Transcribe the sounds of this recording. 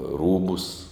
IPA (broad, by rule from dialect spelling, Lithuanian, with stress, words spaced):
ˈruːbʊs